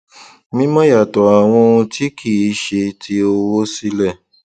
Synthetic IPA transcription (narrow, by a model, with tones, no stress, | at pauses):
mĩ˦mɔ̃˦ja˦˨tɔ˨a˨w̃ɔ̃˧õ˧ti˦kʰi˦˨i˨˦ʃe˧tʰi˦o˧wo˦si˦lɛ˦˨